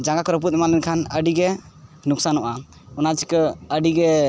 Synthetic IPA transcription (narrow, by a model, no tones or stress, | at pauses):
d͡ʒãɡakɾəp̬ut̪̚imalɛnkʰanəɖiɡɛ | nuksanuʔa | unad͡ʒikəəɖiɡɛ